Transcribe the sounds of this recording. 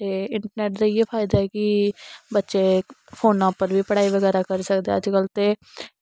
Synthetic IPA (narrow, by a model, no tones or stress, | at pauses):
t̪eːɪɳʈəɾnɛːʈd̪eiepʰaːɪd̪aːɛːkɪbətːʃeːpʰoːnãːpːəɾʋiːpəɽaːiːʋəɡɛːɾaːkəɾsəkd̪eːəd͡ʒkəlt̪eː